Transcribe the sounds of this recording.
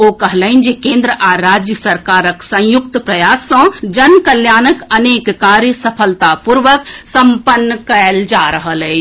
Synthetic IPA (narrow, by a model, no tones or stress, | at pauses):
okəɦləɪnd͡ʒekẽːnd̪ɾəʔaɾad͡ʒjəsəɾkaːɾəksə̃jʊkt̪pɾɐjaːsːə̃d͡ʒənkəljaːnəkəneːkːaːɾjəsəpʰəlt̪apuɾʋəksə̃mpənːəkəeld͡ʒaɾəɦəlɦɛ